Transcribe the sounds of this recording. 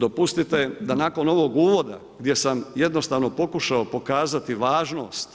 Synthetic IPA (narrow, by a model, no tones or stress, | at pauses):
d̪o̞pust̪it̪e̞d̪anaːko̞no̞ʋo̞ːɡuːʋo̞d̪a̰ | ɡd̪je̞samje̞d̪no̞st̪aːʋno̞po̞kuʃaopo̞kaːzat̪iʋaːʒno̞̰ːst̪